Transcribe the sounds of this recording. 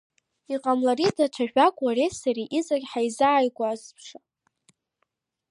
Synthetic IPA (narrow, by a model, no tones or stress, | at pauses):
iqʼamlaridaʈ͡ʂʷʰaʒᶣakʷʼwaresariʔizʼaɡʲħajzaːjɡʷʼazpʰʂa